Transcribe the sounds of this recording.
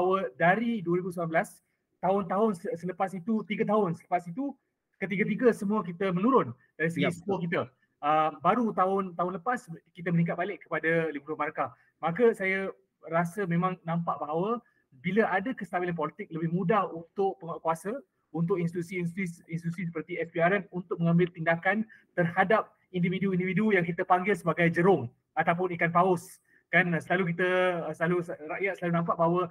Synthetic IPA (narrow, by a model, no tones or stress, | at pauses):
baaawədaɾiduəɾibusmblanblas | t̪aʊnt̪aɦʊnsəsələpasit̪ut̪iɡat̪̬aɦʊnsələpasit̪u | kət̪iɡat̪̬iɡasəmũakit̪əmə̃nuɾʊn | d̥aɾisəɡisə̥muakit̪ə | əmbaɾut̪aʊnt̪aɦʊnləpaskit̪̬əmənik̬at̪̚balɪʔkːə̥padalibuɾomaɾaka | mãkəsaja | ɾasəmẽmãŋnãmpaʔbaɦawə | biləʔadakəst̪abilanp̬ɔlit̪ɪk̚ləbɪhmũdahunt̪ʊk̚pəŋakuasa | unt̪ʊkinst̪it̪usisisinst̪it̪usisəpərt̪iɛsbiaɾɛnunt̪ʊk̚məŋãmbɪlt̪indakant̪ərhadap̚ | individuindividujaŋkit̪əpaŋɡɪlsəbaɡajd͡ʒəɾʊŋ | at̪awp̬ʊnikanpaʊs | kansəlaluk̬it̪əsəlaluɾaʔjat̪̚səlalunampaʔ̚baɦawə